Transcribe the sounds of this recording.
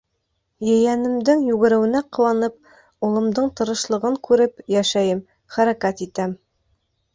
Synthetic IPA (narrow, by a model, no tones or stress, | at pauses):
jɘ̆jænɘ̆md̪ɘŋjʉɡɘ̆ɾɘ̆wɘ̆næqɤ̆wɑnɤp̚ | ulˠɤ̆md̪ɤɴt̪ɤ̆ɾɤ̆ʃlˠɤ̆ʁɤŋkʉɾɘpjæʃæjɘm | χæɾækæt̪it̪æm